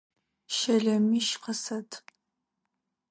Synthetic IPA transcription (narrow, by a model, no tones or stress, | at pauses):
ʃɐɮɐmiːʃqəsɐtʰ